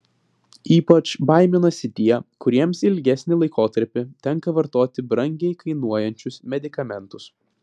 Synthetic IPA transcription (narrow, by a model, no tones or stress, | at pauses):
iːpɐt͡ʃbɐˑɪmʲɪnɐsʲɪt̪ʲiːɛkʊɾʲiɛmsɪlʲɡʲɛsʲnʲɪlˠɐɪkoːt̪ɐɾʲpʲɪt̪ʲɛŋkɐʋɐɾt̪oːt̪ʲɪbɾɐŋʲɡʲɛɪkɐɪnuɔjɛnʲt͡ʃʲʊsmʲɛd̪ʲɪkɐmʲɛnˑt̪ʊs